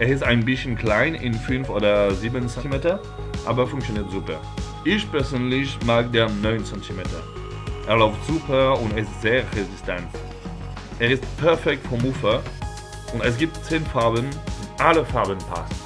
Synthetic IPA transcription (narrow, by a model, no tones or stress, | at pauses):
ʔeːɐɪstaɪnbɪsçən̩kl̥aɪnɪ̰nfʏnfʔoːdɐziːbənsɛtimeːtɐ | ʔa̰ːbɐfʊŋkt͡sjoniːɐtz̥uːpɐ | ʔɪçpɛɐzøːnlɪçmaːɡdeːɐnɔʏnt͡sɛntʰimeːtɐ̰ | ʔeːɐlaʊftz̥uːpʰɐʊntɛɐɪstz̥eːʁezɪstʰɛnt | ʔeːɐɪstpʰɛɐfɛk̚tfɔmuːfɐ | ʔʊntɛs̬ɡ̥iːp̚tt͡seːnfaɐbənʊnʔaləfaɐbənpʰa̰s